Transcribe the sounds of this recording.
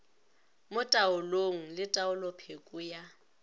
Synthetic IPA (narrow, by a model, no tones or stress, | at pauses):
mʊtʼaʊloŋ̩lɪtʼaʊlɔpʰekʼʊja